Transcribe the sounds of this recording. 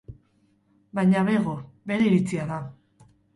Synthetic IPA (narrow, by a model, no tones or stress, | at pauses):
bajɲaβe̞ɣobe̞ɾe̞iɾit͡siaða